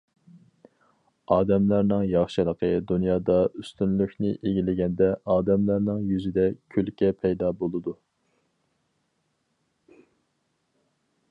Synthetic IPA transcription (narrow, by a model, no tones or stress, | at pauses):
ɑːd̪ɛmlæɾnɪŋjɑχʃɨlˠəqʰəd̪unjɑːd̪ɑyst̪ynlykʲnɪʔeɡʲilɪɡʲɛnd̪ɛɑːd̪ɛmlæɾnɪŋjyzɪd̪ɛkʲʰølkʲɛpʰɛjd̪ɑːbolˠɨd̪u